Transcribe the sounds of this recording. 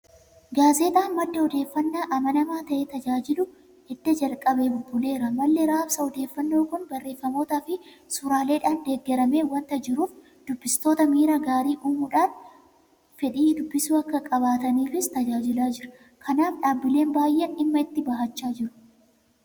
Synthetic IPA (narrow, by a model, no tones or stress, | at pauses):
ɡaːzeːt̪aːnmɐd̪ːɛɔd̪e̞ːfːɐnːaːʔɐmɐnɐmaːt̪ɐʔeːt̪ɐd͡ʒaːd͡ʒɪlʊ | hɛd̪ːɛd͡ʒɐlkʼɐbeːbʊbʊle̞ːɾɐmɐlːɛɾaːbsɐɔd̪e̞ːfːɐnːo̞ːkʊnbɐrːe̞ːfːɐmo̞ːt̪aːfɪ | sʊɾaːle̞ːᶑaːnd̪eːɡːɛɾɐmeːwɐnt̪ɐd͡ʒɪɾuːf | d̪ʊbːɪst̪oːt̪ɐmiːɾaɡaːɾiːʔuːmʊᶑaːn | fɛᶑiːd̪ʊbːɪsuːɐkːɐkʼɐbaːt̪ɐniːfɪst̪ɐd͡ʒaːd͡ʒɪlaːd͡ʒɪɾɐ̥ | kʰɐnaːfᶑaːbːɪle̞ːnbaːjʔːɛnɪmːɐɪt̪ːɪbɐɦɐt͡ʃːaːd͡ʒɪɾʊ̥